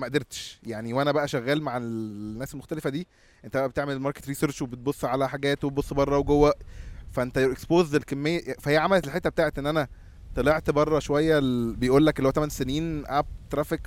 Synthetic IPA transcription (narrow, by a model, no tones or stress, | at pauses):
mæʔd̪eɾt̪ʃjaʕniwʔænæbæʔæʃæɣːæːlmaʕelnːæːselmoxt̪ælefæd̪iː | ʔent̪æbæʔæbet̪eʕmelmɑɾke̥t̪ɾiːseɾʃwebet̪̚bosˤːʕalæħaɡæːt̪webosˤːbɑrˤːɑweɡowːæfæʔent̪æʔekspoːzelkemːejːæfæhejːæʕamælet̪elħet̪ːæbet̪aːʕet̪ʔenːʔænæ | t̪ɑleʕt̪bɑrˤːɑʃowæjːæbejʔuːlːækʔelːowæt̪æmænseniːnʔæb̚t̪ɾˤæːfek